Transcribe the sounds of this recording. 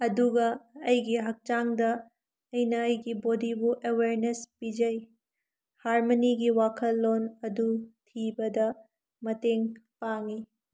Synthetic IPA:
ɐduɡɐɐjɡiɦɐk̚t͡ʃaŋdɐ | ɐjnɐɐjɡibodibuʔeweɾnespid͡ʒɐj | haɾmoniɡiwakʰɐlːonɐdutʰibɐdɐ | mɐteŋpaŋi

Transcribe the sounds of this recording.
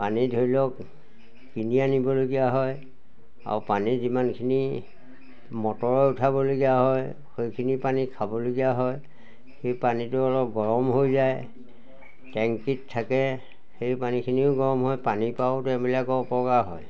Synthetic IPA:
panidʱoilɔk | kinianibɔloɡijaɦɔj | a̰ɹpanizimankʰini | mɔtɔɹɔutʰabɔloɡijaɦɔj | xejkʰinipanikʰabɔloɡijaɦɔj | xejpanitʊɔlɔp̚ɡɔɹɔmɦojzaj | tɛŋkitʰːakɛ | xejpanikʰiniʊɡɔɹɔmɦɔjpanipaʊtɛʊ̃bilakɔɔpɔkaɹɦɔ̰j

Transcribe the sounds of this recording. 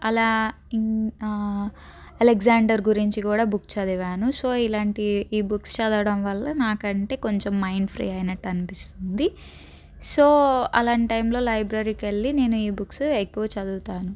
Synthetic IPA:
ɐlaː | ɐleɡzaːɳɖɐɾɡuɾiɲt͡ʃikuːɽaːbukt͡ʃɐd̪uʋaːnuso̞ːilaːɳʈiːbukst͡ʃɐd̪ɐʋɽɐmʋɐlːɐnaːkɐɳʈe̞ːko̞ɲt͡ʃemːɐjnpʰɾḭːɐjnɐʈːɐnipist̪und̪i | soːɐ̰laːɳʈɐjmlo̞ːlɐjbɾɐɾiːkeɭːine̞ːnuiːbuksuekːuʋɐt͡ʃɐd̪uːt̪aːnu

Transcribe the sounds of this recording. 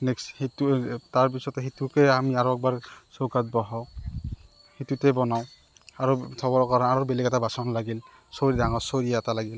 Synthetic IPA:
nekshitutaɹp̬isɔtɛɦitukɛamiaɹoɛk̚baɹsokat̚bɔɦaw | hitutɛbɔnaw | aɹotʰɔbɔɹɔkaaɹɔbelikɛtabasɔnlaɡil | soɹidaŋɔsoɹiɛatalaɡil

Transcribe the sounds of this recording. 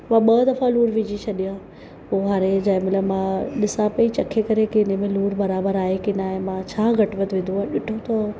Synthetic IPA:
mãɓɐd̪ɐfãluːɾʋɪd͡ʑit͡ɕʰɐɗijã | poːɦaːɾed͡ʑɐ̃ɪ̃mɪləmãɗɪsãpɐit͡ɕɐkʰːekɐɾekiɪnemẽluːɾbɐɾaːbəɾaːɦekɪnaːɦẽmãt͡ɕʰaːɡʱɐʈʋət̪ʋɪ̃nd̪uãɗɪʈʰot̪ɐ

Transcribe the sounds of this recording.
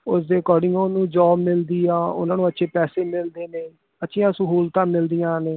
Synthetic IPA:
ʊsd̪eːkɔːɾɖɪ̃ŋɡoːnũːd͡ʒɔːbmɪld̪iːãːʊ̰nãːnũːətːʃʰeːpɛːseːmɪld̪eːneː | ətːʃʰɪjãːsəɦuːlt̪ãːmɪld̪ijãːneː

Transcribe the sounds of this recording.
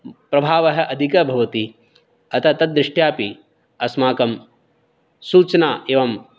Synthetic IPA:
pɾɐbʱaːʋɐɦɐ̆ʔɐd̪ʱikɐbʱɐʋɐt̪i | ɐt̪ɐt̪ɐd̪ɾɪʂʈjaːpi | ɐsmaːkɐm | suːt͡ʃɐnaːʔeːʋɐm

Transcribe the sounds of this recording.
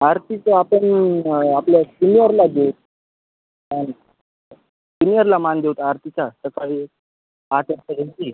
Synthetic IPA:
aɾt̪it͡səapəɳapljasinijəɾlad̪ewt̪̚ | ən | sinijəɾlamand̪ewt̪aɾt̪it͡sasəkaɦi | at͡səɾt̪əɡ̪et̪i

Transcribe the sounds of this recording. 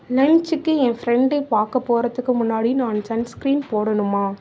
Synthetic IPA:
lɐɲt͡ʃɯkːɯɛ̃fɾɛɳɖɐɪpaːɾkɐpːoːɾɐðɯkːɯmʊnːaːɽinaːnsɐnskɾiːnpoːɽɐnɯmːaː

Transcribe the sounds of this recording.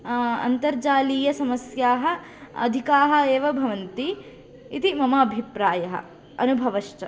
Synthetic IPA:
ɐ̰nt̪ɐɾd͡ʒaːliːjɐsɐmɐsjaːɦɐ | ɐ̰d̪ʱikaːɦɐ̆eːʋɐbʱɐʋɐnt̪i | it̪imɐmɐːbʱipɾaːjɐɦɐ̰̆ | ɐnubʱɐʋɐʃt͡ʃɐ

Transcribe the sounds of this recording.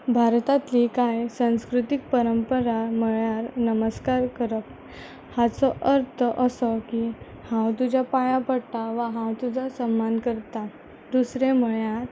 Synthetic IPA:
bʱaɾt̪at̪likajsãw̃skɾut̪ik̚pəɾəmpəɾaməɭjaɾnəməskaɾkəɾək | hat͡sɔʔəɾt̪ʰəʔəsɔki | hãwt̪ud͡ʑapajapəɽt̪aʋaɦãwt̪ud͡zʱasəmːankəɾt̪a | d̪usɾeməɭjaɾ

